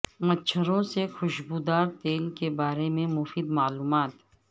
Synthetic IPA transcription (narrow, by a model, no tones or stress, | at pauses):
mɐtːt͡ʃʰəɾõsexʊʃbuːd̪aːɾt̪eːlkebaːɾemẽmʊfiːd̪maːluːmaːt̪